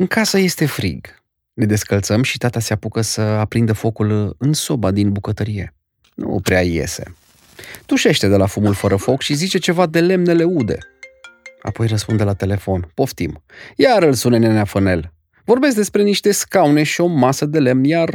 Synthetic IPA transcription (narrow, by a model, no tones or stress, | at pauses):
ɨŋkasəje̞st̪e̞fɾḭɡ | ne̞d̪e̞skəlt̪səmʃit̪at̪aseapukəsəapɾind̪əfo̞kulɨnso̞bad̪inbukət̪əɾije̞̰ | nṵpɾeaje̞̰sḛ | d̪̥uʃe̞ʃt̪e̞d̪e̞lafumulfəɾəfo̞kʃizit͡ʃe̞t͡ʃe̞vad̪e̞le̞mnele̞ud̪e̞̰ | a̰po̞jrəspund̪e̞lat̪e̞le̞fo̞npo̞ft̪imjaɾɨlsunenenafəne̞̰l | vo̞rbes̬k̚d̪e̞spɾe̞niʃt̪e̞skaune̞ʃio̞masəd̪e̞le̞mnjar